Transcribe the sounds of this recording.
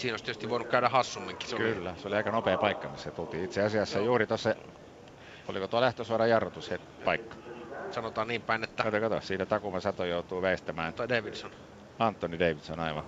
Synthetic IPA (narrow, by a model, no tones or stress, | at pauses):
siːnoˑist̪ytst̪iʋʋoˑinukkæøɾæhɑsːumːiŋkːi̥seokylːæseoliɑˑikɑnopeːpɑikːɑmisːet̪ult̪iːit̪seɑsiɑsːɑjuːrit̪osːɑ | olikot̪uɑlæht̪øsuɑrɑjɑrʋot̪ushet̪pɑikːɑ̥sɑnot̪ɑːnniːmpæˑinet̪ːækɑt̪okɑt̪o̰siːnæt̪ɑkumɑsɑt̪ojoˑut̪uːʋæˑist̪æmæːnt̪odeˑiʋidson | ɑnt̪ˑːonideˑiʋit̪sonɑiʋɑ̰n